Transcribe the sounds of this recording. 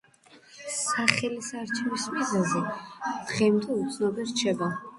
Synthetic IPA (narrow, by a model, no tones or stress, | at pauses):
saχɛlisaɾt͡ʃʰɛvismizazɛd̪̥ʁɛmt̪ʰʼɛut̪sʰnɔbɛɾt͡ʃʰɛba